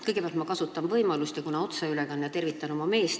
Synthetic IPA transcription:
kɤjɡepæɑlt̪mɑkɑsut̪ːˑɑnvɤjmɑlust̪jɑkunɑo̞t̪sɑylɛkɑnːjɑt̪e̞rvit̪ːˑɑno̞mɑme̞ːs

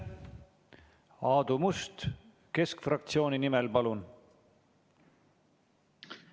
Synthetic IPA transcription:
ɑːd̪̥umust̪ | ke̞skfrɑkt̪sio̞ːninimɛlpɑlun

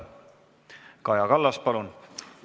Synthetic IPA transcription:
kɑjɑkɑlːɑspɑlun

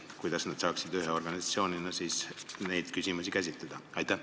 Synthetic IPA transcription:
kujd̪ɑsnɑd̪̥sɑːksid̪yɦeo̞rɡɑnisɑt̪sio̞ːninɑsiːsne̞jd̪̥kysʲimusikæs̬ʲit̪led̪̥ɑɑjt̪ːˑæ

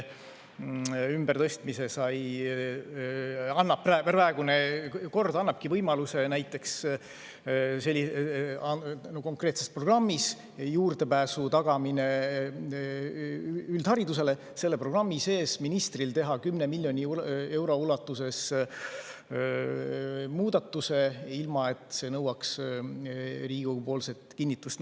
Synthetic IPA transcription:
ymbert̪ɤ̞st̪mise̞sɑj | ɑnːɑpræpæræeɡ̥uneko̞rd̪ɑnːɑp̚kivɤjmɑluse̞næjt̪ːˑe̞ks | se̞lʲːiɑnoko̞ŋkre̞ːt̪sespro̞ɡ̥rɑmːis | juːrd̪̥e̞pæːsut̪ɑɡ̥ɑmine | yld̪̥hɑɾid̪us̬e̞le̞ | se̞lːe̞pro̞ɡ̥rɑmːise̞ːsminist̪rilt̪e̞ɦɑkymne̞milʲːjo̞nʲie̞wɾo̞ulɑt̪ːˑuse̞s | muːd̪̥ɑt̪ːˑuse̞ilmɑe̞t̪ˑse̞nɤwɑks | riːɡ̥upo̞ːlset̪kinːit̪ːˑust̪

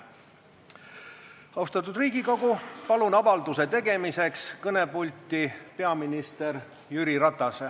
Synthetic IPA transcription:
ɑwst̪ɑt̪ːˑud̪riːɡ̥iko̞ɡ̥upɑlunɑvɑld̪use̞t̪e̞ɡ̥e̞mise̞kskɤne̞pulʲt̪ipe̞ɑminist̪e̞r | jyɾiɾɑt̪ːˑɑse

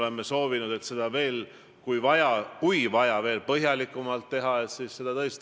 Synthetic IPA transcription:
le̞mːeso̞ːvinud̪̥e̞t̪se̞d̪̥ɑve̞ːl | kujvɑjɑkujvɑjɑve̞ːlpɤɦjɑlikːˑumɑlt̪ːe̞ɦɑe̞t̪sisːe̞d̪̥ɑt̪ɤest̪

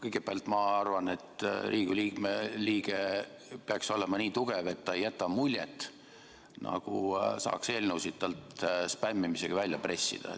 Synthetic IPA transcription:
kɤjɡ̥eb̥ælt̪ːˑmɑɑrvɑne̞t̪rʔiːɡ̥uliːkmeliːɡ̥e | peɑkso̞lemɑniːt̪uɡ̥eve̞t̪ːɑejːæt̪ːˑɑmulʲjḛt̪ːˑ | nʔɑ̰ɡ̥usɑ̰ːkse̞ːlnəwsid̪̥̚t̪ɑlt̪spæmːimiseɡ̥ɑvælʲjɑpre̞sːḭd̪̥ɑ̰

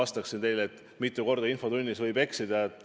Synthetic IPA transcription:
ɑst̪ɑksint̪e̞jlet̪ːˑ | mit̪ːˑuko̞rd̪ɑinfo̞t̪unʲːisvɤjb̥e̞ksid̪̥ɑet̪ːˑ

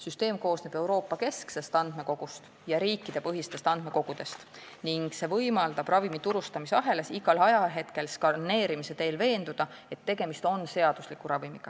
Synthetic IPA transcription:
syst̪e̞ːmko̞ːsne̞b̥e̞wɾo̞ːpːɑke̞skse̞st̪ɑnd̪̥me̞ko̞ɡ̥ust̪ | jɑɾiːkːˑid̪̥e̞pɤɦist̪e̞st̪ɑnd̪̥me̞ko̞ɡ̥ud̪̥e̞st̪ | niŋɡ̥se̞vɤjmɑld̪̥ɑb̥rɑvimit̪uɾust̪ɑmiseɑɦe̞le̞siɡ̥ɑlɑjɑɦe̞t̪ke̞lskɑrne̞ːɾimise̞t̪e̞ːlve̞ːnd̪ud̪̥ɑ | e̞t̪ːe̞ɡ̥e̞mist̪o̞nse̞ɑd̪̥uslikːuɾɑvimiɡ̥ɑ

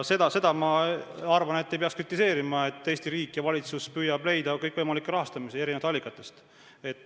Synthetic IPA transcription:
se̞d̪ɑse̞d̪ɑmɑɑrvɑne̞t̪ːejpeɑkskrit̪ːˑise̞ːɾimɑe̞t̪ːe̞ːsʲt̪iɾiːkːˑjɑvɑlʲit̪suspyjɑb̥le̞jd̪̥ɑkɤjkːˑvɤjmɑlikːˑeɾɑɦɑst̪ɑmisee̞ɾinevɑd̪ɑlʲːikːˑɑt̪ːˑe̞st̪ | e̞t̪ː

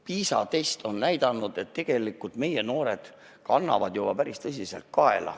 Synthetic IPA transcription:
piːsɑ̰t̪e̞st̪o̞nnæjd̪̥ɑnːud̪̥e̞t̪ːe̞ɡ̥e̞likːˑult̪me̞je̞no̞ːɾe̞d̪̥ | kɑnːɑ̰vɑd̪̥jub̥ɑpæɾist̪ɤs̬ʲise̞lt̪̚kɑe̞̰lɑ̰

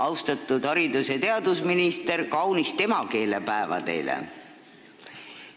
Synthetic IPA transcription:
ɑwst̪ɑt̪ːˑud̪̥hɑɾid̪uset̪e̞ɑd̪usminist̪e̞rkɑwnist̪e̞mɑke̞ːlepæevɑ̰d̪e̞̰jlḛ

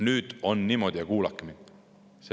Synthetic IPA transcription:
nyːd̪̥o̞nːimo̞d̪̥ʲijɑkuːlɑkːˑemin | se

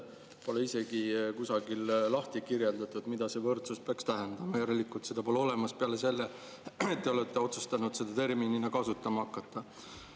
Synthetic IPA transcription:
po̞leise̞ɡikusɑɡillɑht̪ikirjeld̪ɑt̪ˑud̪̥mid̪̥ɑse̞vɤrt̪suspeɑkst̪æɦend̪̥ɑmɑjɑɾelːikːult̪se̞d̪̥ɑpo̞leo̞lemɑspeɑlese̞lːe | et̪ːe̞o̞let̪ːˑe̞o̞t̪su̥st̪ɑnud̪̥se̞d̪̥ɑt̪e̞rmininɑkɑsut̪ːˑɑmɑɑkːɑt̪ːˑɑ

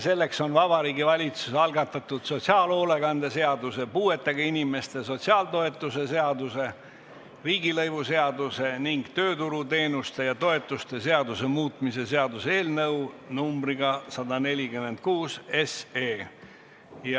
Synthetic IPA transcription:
se̞lːe̞kso̞nvɑbɑɾiːɡivɑlʲit̪su̥sɑlɡɑt̪ːˑɑt̪ud̪̥so̞t̪siɑːlo̞ːleɡɑnd̪̥ese̞ɑd̪use̞puːe̞t̪ːˑeɡ̥ɑinime̞st̪e̞so̞t̪ʲsiɑːlt̪o̞e̞t̪ːˑuse̞se̞ɑd̪use̞ | riːɡilɤjvuse̞ɑd̪use̞niŋɡ̥t̪ø̞ːt̪uɾut̪e̞ːnust̪e̞jɑt̪o̞e̞t̪ːˑust̪e̞se̞ɑd̪use̞muːt̪ˑmise̞se̞ɑd̪useeːlnɤwnumbriɡ̥ɑsɑd̪ɑne̞lʲikymːe̞nd̪̚kuːse̞seː | j

